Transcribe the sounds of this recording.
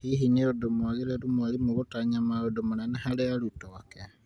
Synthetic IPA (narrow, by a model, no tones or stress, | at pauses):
hiɦineodomwaɣiɾelumwalimuɣutaɲamaodomunanehalealutoake